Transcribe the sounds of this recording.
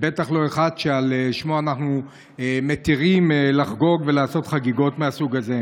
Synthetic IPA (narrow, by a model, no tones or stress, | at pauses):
be̞t̪aχlo̞e̞χadʃealeʃmoanaχnu | emet̪iʁimelaχɡo̞ɡve̞laːso̞t̪χaɡiɡo̞tmeasuɡaze̞